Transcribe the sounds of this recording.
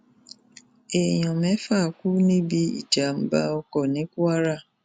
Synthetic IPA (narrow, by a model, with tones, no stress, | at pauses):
e˨ɲɔ˨me˦fa˦˨kʷu˦ni˦bi˦ḭ˨d͡ʒa˨m̩˦ba̰˦ɔ˦kɔ˨ne˦ku˦a˦ɾa˦˨